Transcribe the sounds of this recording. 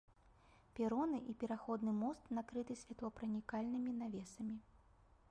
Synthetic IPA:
pʲɛɾɔnɨʔipʲɛɾaxɔd̪nɨmɔst̪nakɾɨt̪ɨsʲvʲat̪lˠɔpɾɐnʲikalʲnɨmʲinavʲɛsɐmʲi

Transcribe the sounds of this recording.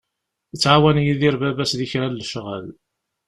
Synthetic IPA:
ət͡sːʕawænjiðiɾbæbæsðiçɾælːəʃʁə̰l

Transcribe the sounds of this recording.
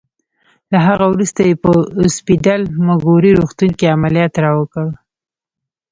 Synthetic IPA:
laɦaɣawɾust̪ajepəʊspidalmaɡoɾiɾuxt̪uŋkiamalijɑt̪ɾɑwəkəw

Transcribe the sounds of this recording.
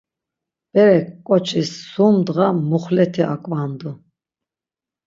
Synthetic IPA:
b̥ɛɾɛkkʼɔt͡ʃʰisːumd̪ʁamuχlɛt̪ʰia̰kʼvand̪u

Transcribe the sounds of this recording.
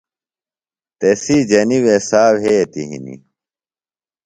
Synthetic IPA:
t̪esid͡ʑɐniwesaːwɦet̪iɦḭnḭ

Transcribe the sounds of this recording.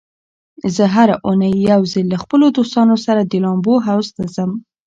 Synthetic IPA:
zəɦaɾaʔunəjːawzəlːaxpəlod̪ost̪ɑnosaɾad̪əlɑmboɦawst̪azəm

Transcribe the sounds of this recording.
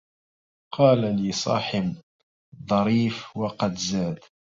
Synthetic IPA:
qʰɑːlaliːsˤɑ̰ːħɪb | d̪ˤɑɾiːfwɑqɑd̪zaːd̪

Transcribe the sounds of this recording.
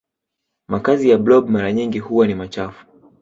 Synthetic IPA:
makazijablɔbmaɾaɲiŋɡihuwanimat͡ʃafu̥

